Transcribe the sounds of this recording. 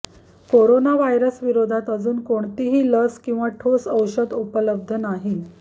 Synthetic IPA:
koɾonaʋajɾəsʋiɾod̪ʱat̪əd͡zuːnkoɳt̪iɦiːləskĩw̃ʋaʈʰosəwɕəd̪upələb̚d̪ʱənaɦiːn

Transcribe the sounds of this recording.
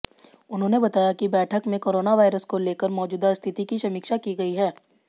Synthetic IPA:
ʊnɦõːnebɐt̪aːjakibɛːʈʰəkmẽkoːɾoːnaʋaːɪɾəskoleːkəɾmɔːd͡ʒuːd̪ast̪ʰɪt̪ikiʃɐmiːkʃakiɡɐiɦɛː

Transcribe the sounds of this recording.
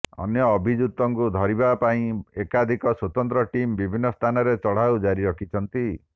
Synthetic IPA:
ɔ̰njɔːbʱid͡ʒut̪ːɔŋkud̪ʱɔɾibapaĩekad̪ʱikɔswot̪ɔnt̪ɾɔʈimbibʱinːɔst̪ʰanɔɾet͡ʃɔɽ̤awd͡ʒaɾiɾɔkʰit͡ʃʰɔnt̪i

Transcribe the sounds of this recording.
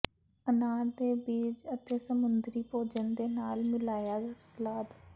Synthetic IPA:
ənaːɾd̪eːbiːd͡ʒət̪eːsəmʊnd̪ɾiːpoːd͡ʒənd̪eːnaːlmɪlaːjaːɡsəlaːd̪

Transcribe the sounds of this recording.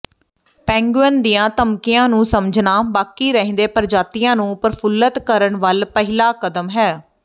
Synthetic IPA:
pɛ̃ːŋɡənd̪ijãːt̪əmkɪjãːnũːsəməd͡ʒʱnaːbaːkiːɾəɦẽːnd̪eːpəɾd͡ʒaːt̪iːjãːnũːpəɾfʰʊlət̪kəɾəɳʋəlpəɦɪlaːkəd̪əmɦɛː

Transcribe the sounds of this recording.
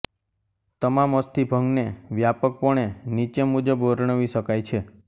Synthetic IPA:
t̪əmaməst̪ibʱəŋɡneʋjapək̚pəɳ̃enit͡ʃemud͡ʒəbʋəɾɳəʋiʃəkajt͡ʃʰe

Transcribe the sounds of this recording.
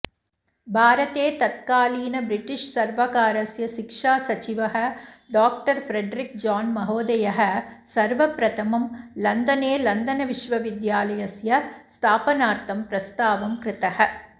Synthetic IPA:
bʱaːɾɐt̪eːt̪ɐt̪̚kaːliːnɐbɾɪʈːɪʂsɐɾʋɐkaːɾɐsjɐʃɪkʂaːsɐt͡ʃɪʋɐɦɐɖaːk̚ʈɐɾfɾɛɖɾɪk̚d͡ʒaːnmɐɦoːd̪ɐjɐɦɐsɐɾʋɐpɾɐt̪ʰɐmɐmlɐnd̪ɐneːlɐnd̪ɐnɐʋɪʂʋɐʋɪd̪jaːlɐjɐsjɐst̪ʰaːpɐnaːɾt̪ɐmpɾɐst̪aːʋɐmkɾɪt̪ɐhɐ

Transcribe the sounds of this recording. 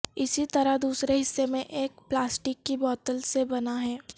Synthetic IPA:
ɪsit̪ɐɾaɦd̪uːsɾeɦɪsːemẽʔeːkplaːsʈɪkːibɔːt̪əlsebɐnaɦɛː

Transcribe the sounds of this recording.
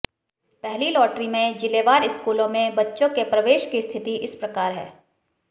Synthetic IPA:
pɛɦlilɔːʈɾimẽd͡ʒɪleːʋaːɾɪskuːlõmẽbɐtːʃõkepɾɐʋeːʃkist̪ʰɪt̪iʔɪspɾɐkaːɾɦɛ̰ː

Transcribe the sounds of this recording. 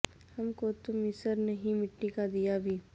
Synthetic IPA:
hɐmkot̪ʊmɪsəɾnɐɦĩmɪʈːikad̪ijabʱiː

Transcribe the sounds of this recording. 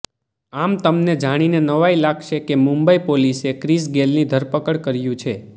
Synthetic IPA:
amt̪əmned͡ʒaɽ̃inenəʋailaɡʃekemũmbəipolisekɾis̬ɡelnid̪ʱəɾpəkəɽkəɾjũt͡ʃʰe

